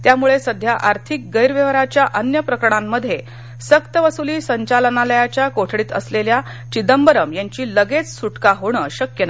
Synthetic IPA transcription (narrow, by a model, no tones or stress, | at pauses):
t̪jamuɭesəd̪ʱjaʔaɾt̪ʰik̚ɡəjɾʋeʋɾat͡ɕjaʔənjəpɾəkɾəɳ̃amːəd̪ʱje | səkt̪əʋəsuliːsəɲt͡ɕalənaləjat͡ɕjakoʈʰɽiːt̪əslelja | t͡ɕid̪əmbəɾəmjaɲt͡ɕiːləɡet͡ssuʈkaɦoɽ̃əɕəkjəna